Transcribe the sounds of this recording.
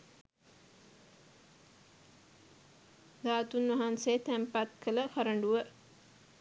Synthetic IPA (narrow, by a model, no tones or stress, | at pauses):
ɡ̪aːt̪unʋɐɦanset̪æmpat̪kʰələkaɾəɳɖuʋə